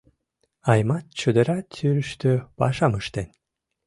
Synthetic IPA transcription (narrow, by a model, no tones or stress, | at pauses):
ɑjmɑt̪̚t͡ɕəd̪əɾɑtt͡syɾəʃt̪øpɑʃɑməʃt̪en